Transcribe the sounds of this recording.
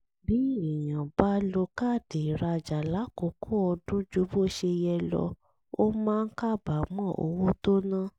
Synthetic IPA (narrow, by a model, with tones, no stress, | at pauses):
bi˨˦˨ĩ˨jã˨ba˦lo˧ka˦˨de˨ɾa˧d͡ʒa˨la˨˦ko˨˦kʰu˦ɔ˧dũ˦d͡ʒu˦bo˦ʃe˧jɛ˧lɔ̰˧ | o˦mãː˦n̩˦ka˦˨ba˨˦mɔ̃˦˨o̰˧wu˦to˦nã˦˨